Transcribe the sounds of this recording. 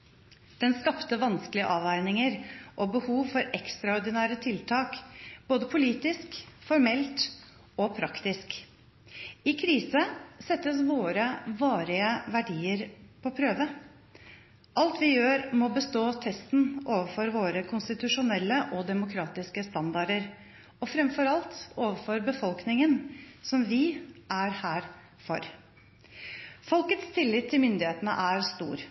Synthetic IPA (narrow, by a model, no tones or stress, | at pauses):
d̪̥ɛnskɑpt̪əʋɑnsklɪəʔɑːʋæɪɾnɪŋəɾʔɔbəhuːʋfɔɾɛkst̪ɾɑɔɾɖ̪ɪnæːɾət̪ʰɪlt̪ʰɑːkboːd̪əpʰʊliːt̪ɪskfɔɾmɛlt̪ | ɔpʰɾɑkt̪ɪsk | ɪkʰɾiːsəsɛt̪ːəsʋoːɾəʋɑːɾɪəʋæɖiːəɾpʰɔpʰɾøːʋə | ʔɑlt̪ʋɪjøːɾmɔbəst̪oːt̪ʰɛst̪n̩oːʋəfɔɾʋoːɾəkʰʊnst̪ɪt̪ʉʂʊnɛlːəʔɔd̪ɛmʊkʰɾɑːt̪ɪskəst̪ɑnd̪ɑɖəɾ | ɔfɾɛmfɔɾɑlt̪oːʋəfɔɾbəfɔlknɪŋənsɔmʋɪʔæɾhæːɾ | fɔɾ | fɔlkət̪st̪ʰɪlːɪt̪ʰːɪlmʏnd̪ɪheːt̪ənə̰ʔæɾst̪ṵːɾ